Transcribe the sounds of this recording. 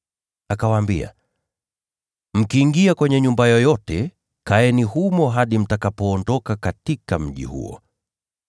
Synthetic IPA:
akawaːmbia̰ | m̩kiːŋɡiakwɛɲɛɲumbajɔjɔtɛ | kaɛnihumɔɦaɗim̩takapɔːndɔkakatikam̩ʄḭhṵɔ̰

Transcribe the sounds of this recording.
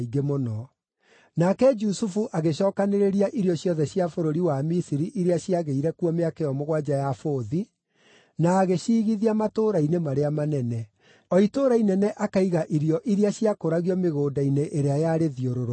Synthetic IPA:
iɡemonɔ | nakɛd͡ʒusufuʔaɣeɕɔːkaneɾeɾiaʔiɾjɔɕjɔðɛɕjafoɾoɾiwamisiɾiʔiɾeaɕiaɣeiɾɛkuɔmeakeɔmoɣwad͡ʒajafoːði | naːɣeɕiːɣiðiamatoɾainemaɾeamanɛnɛ | ɔitoɾainɛnɛʔakaiɣaʔiɾjɔʔiɾiaɕjakoɾaɣiɔmeɣoːdaineʔeɾeajaɾeðioɾoɾ

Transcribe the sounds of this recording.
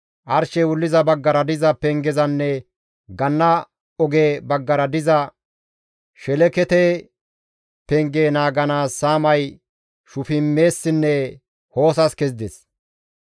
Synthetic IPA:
ʔɐɾʃɛwʊlːɪzɐbɐɡːɐɾɐd̪ɪzɐpɛŋɡɛzɐnːɛ | ɡɐnːɐ | ɔɡeːbɐɡːɐɾɐd̪ɪzɐ | ʃɛlɛkɛt̪ɛ | pɛŋɡeːnaːɡɐnaːsːaːmɐj | ʃʊfɪmːe̞ːsːɪnːɛ | ho̞ːsɐskɛzd̪ɛs

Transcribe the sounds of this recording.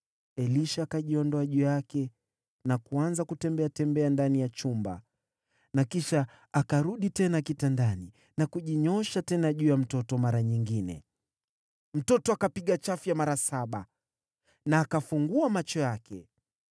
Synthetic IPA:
ɛliʃaːkaʄiɔndɔaʄujakɛ | nakuanzakutɛmbɛatɛmbɛandanijat͡ʃumba̰ | nakiʃaː | kaɾuɗitɛnakitandani | nakuʄiɲɔʃatɛnaʄuːjam̩tɔtɔmaɾaɲiŋɡinɛ̰ | m̩tɔtɔakapiɠat͡ʃafjamaɾasaɓa | naːkafuŋɡuamat͡ʃɔjakʰɛ

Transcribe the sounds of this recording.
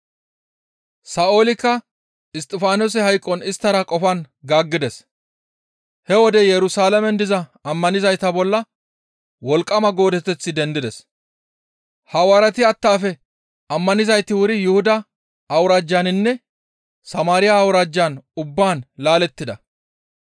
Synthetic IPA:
saʔo̞ːlɪkːɐ | ɪst̪ʼːɪfaːnos̬ɛɦɐjkʼːɔnɪst̪ːɐɾɐkʼɔfɐn | ɡaːɡːɪd̪ɛs | hɛwɔd̪ɛjɛɾʊsaːlɐmɛnd̪ɪzɐɐmːɐnɪzɐjt̪ɐbɔlːɐ | wɔlkʼːɐmɐɡo̞ːd̪ɛt̪ːɛt͡sːɪd̪ɛnd̪ɪd̪ɛs | hɐwaːɾɐt̪ɪɐt̪ːaːfɛ | ɐmːɐnɪzɐjt̪ːɪwʊɾɪjʊhʊd̪ɐː | wʊɾaːd͡ʒːanɪnːɛ | sɐmaːɾɪjaːwʊɾaːd͡ʒːaːnʊbːaːnlaːlɛt̪ːɪd̪ɐ

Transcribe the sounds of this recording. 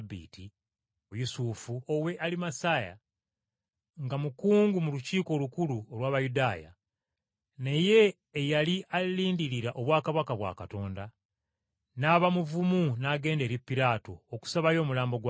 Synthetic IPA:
bːḭːti | jusuːfuowe̞ʔalimasaːja̰ | ŋɡamukuːŋɡumuluciːko̞lukuluolwaːβajudaːja̰ | ne̞je̞ː | jaliʔaliːndiɾiɾaʔo̞βwaːkaβakaβwa̰ːkato̞ːnda | naːβamuvumunaːɡe̞ːnde̞ːɾipːiɾaːto̞ːku̥saβajo̞ːmulaːmbo̞ɡw

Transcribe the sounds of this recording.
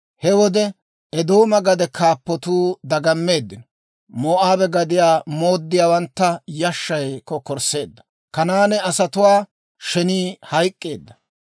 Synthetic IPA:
hɛwɔd̪ɛ | ɛd̪oːmɐɡɐd̪ɛkʰaːpːɔt̪uːd̪ɐɡɐmːe̞ːd̪ːɪnɔ | moːʔaːbɛɡɐd̪ɪjaːmo̞ːd̪ːɪjaːwɐnt̪ːɐjɐʃːɐjkɔkɔɾse̞ːd̪ːɐ̥ | kɐnaːnɛɐsɐt̪ʊwaː | ʃɛniːhɐjkʼːe̞ːd̪ːɐ̥

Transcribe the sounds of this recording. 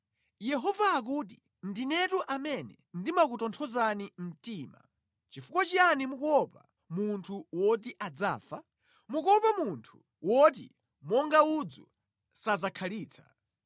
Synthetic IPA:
jɛɦɔvaːk̬uːt̬i | ndinɛtuʔamɛnɛ̰ | ndimak̬utɔntʰɔzanim̩tiːma̰ | t͡ʃifukwat͡ʃianimukɔpa | muntʰuwɔt̬iʔad͡za̰ːfa | mukɔpamuntʰu̥ | wɔt̬ḭ | mɔŋɡaud͡zu | sazakʰaliːt͡sʰḁ̰

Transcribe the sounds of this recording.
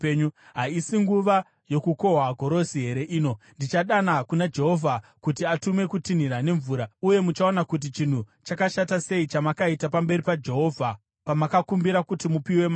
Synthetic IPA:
ɲuɦaisiŋɡuʋa | jo̞kuko̞ɦaɡʱo̞ɾo̞siɦe̞ɾe̞ʔiːno̞ndit͡ʃaɗanakunad͡ʒe̞ɦo̞vʱakutiatume̞kutin̤iɾane̞ɱvuːɾauje̞mut͡ʃaonakut̬it͡ʃin̤ut͡ʃakaʃatase̞it͡ʃamakaitapambe̞ɾipad͡ʒe̞ɦo̞ːvʱa | pamakakumbiɾakutimupiwe̞ma

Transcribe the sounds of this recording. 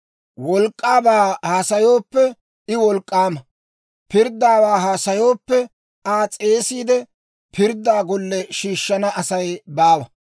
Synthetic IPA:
wɔlkʼːaːbaːhaːsɐjo̞ːpːɛ | ɪwɔlkʼːaːmɐ | pɪɾd̪ːaːwaːɦaːsɐjo̞ːpːɛ | aːt͡sʼe̞ːsiːd̪ɛ | pʰɪɾd̪ːaːɡɔlːɛʃiːʃːɐnɐɐsɐjbaːwɐ

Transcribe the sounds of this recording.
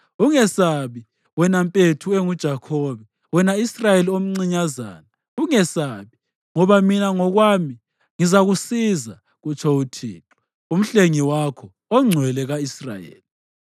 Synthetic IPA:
uŋɛsaβi | wɛnampʼetʰueŋud̥ʒ̥ʱakʰɔβɛ | wɛnaisrajeliom̩ŋ͡ǀiɲaza̰ːna | uŋɛsaːβi | ŋɔβaminaŋɔɣwaːmi | ŋizaɣusiza | ɣut͡ʃʰɔutʰḭːǁɔ̥ | um̩ɬeŋiwakʰɔ | ɔŋ͡ǀʱwɛlɛɣaisra̰jḛːli

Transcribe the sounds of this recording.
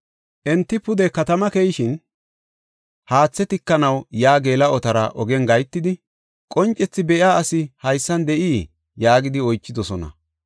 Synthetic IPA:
ʔɛnt̪ːɪpʊd̪ɛkɐt̪ɐmɐkɛjɪʃɪn | haːt͡sːɛt̪ɪkːɐnɐwjaːɡeːlɐɔt̪ɐɾɐʔɔɡɛnɡɐjt̪ːɪd̪ɪ | kʼɔnt͡ʃʼːɛt͡sːɪbɛʔjaːɐsɪhɐjsːɐnd̪ɛʔiː | jaːɡɪd̪ɪɔjt͡ʃːɪd̪ɔsɔnɐ̰

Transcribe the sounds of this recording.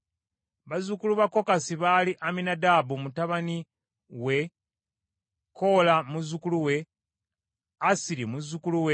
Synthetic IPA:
βazukuluβakːo̞kasiβaliʔaminadabumutaβani | we̞ | kʰo̞lamuzukuluwe̞ | asiɾimuzːukuluwe

